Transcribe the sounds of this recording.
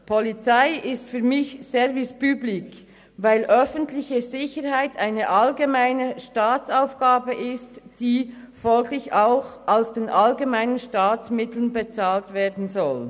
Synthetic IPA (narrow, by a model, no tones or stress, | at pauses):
pʰɔlit͡saɪʔɪstfyːɐmɪçsɛɾvɪspyːblɪk | vaɪlʔœfəntlɪçəzɪçəɾhaɪtʰaɪnəʔɑalɡemaɪnəʃtaːt͡saʊfɡ̥aːbəʔɪstd̥iː | fɔlɡlɪçaʊxʔaʊsd̥eːnʔalɡemaɪnənʃtaːt͡smɪtl̩ənbet͡saːltveːɐdn̩zɔl